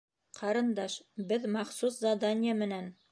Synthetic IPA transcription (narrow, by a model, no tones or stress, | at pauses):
qʰɑɾɤ̆nd̪ɑʃbɘðmɑχsuszɑd̪anʲɪjamɘ̆næn